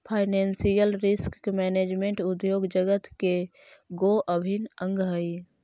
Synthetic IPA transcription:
pʰaɪnɛnsijəlɾɪskkmɛːneːd͡ʒmẽɳʈud̪joːɡd͡ʒəɡət̪ke | ɡoʔəbʱinə̃ŋɡɦəi

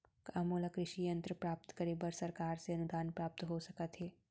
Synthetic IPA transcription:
kɐmoːlakɾɪʃijə̃nt̪ɾəpɾaːp̚t̪kəɾeːbəɾsɐɾkaːɾseɐnʊd̪aːnpɾaːp̚t̪ɦosɐkət̪ɦeː

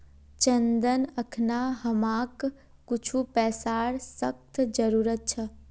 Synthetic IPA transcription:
t͡ʃənd̪ənəkʰnaɦəmaːkː | ʊt͡ʃʰupɛːsaːɾsək̚t̪ʰd͡ʒəɾuːɾət̪̚t͡ʃʰɐ

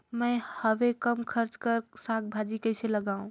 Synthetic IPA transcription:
mə̃ɪhəʋekəmkʰəɾt͡ʃkəɾsak̚bʱad͡ʒikəɪseləɡaũ

